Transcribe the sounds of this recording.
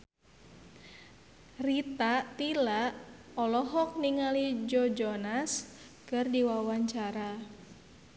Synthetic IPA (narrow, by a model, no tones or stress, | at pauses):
rit̪aʔt̪ilaʔ | ɔlɔɦɔk̚niŋalid͡ʒɔd͡ʒɔnas | kɨrdiwawaɲt͡ʃaɾa